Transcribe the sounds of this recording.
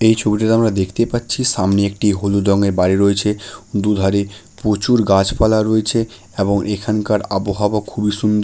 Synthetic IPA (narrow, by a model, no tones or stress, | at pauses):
ejt͡ɕʰobiʈaɾamɾad̪ekʰt̪epatːɕʰiʃamneek̚ʈiɦolud̪ɔŋeɾbaɾiɾoet͡ɕʰed̪ud̪ʱaɾe | pɾot͡ɕuɾɡad͡ʑpalaɾoet͡ɕʰe | eboŋʔekʰankaɾaboɦabokʰubiʃund̪o